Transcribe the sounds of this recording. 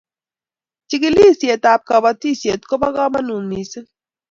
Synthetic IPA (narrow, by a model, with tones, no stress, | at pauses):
t͡ʃi˦ɡi˦li˦˨sje˨ta˨p̚ka˨ba˨ti˦˨sje˨t̪̚ko˦ba˦ɣa˦ma˦nu˨nmi˨sə˦